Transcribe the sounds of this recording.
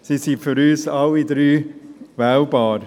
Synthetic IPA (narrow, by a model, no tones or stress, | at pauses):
sisifyɾyːsalːidɾyːvaʊbɑːɾ